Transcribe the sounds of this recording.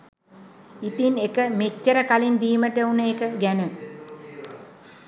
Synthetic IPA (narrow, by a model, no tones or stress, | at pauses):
it̪inekəmet͡ʃːəɾəkalind̪iːməʈəunəekəɡænə